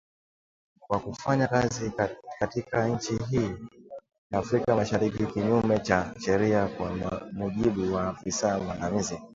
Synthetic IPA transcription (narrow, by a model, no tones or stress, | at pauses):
kwakufaɲakazikatikaɲ̩t͡ʃiɦiː | jaːfɾikamaʃaɾikikiɲumɛt͡ʃaʃɛɾiakwamuʄiɓuwafisamanamizi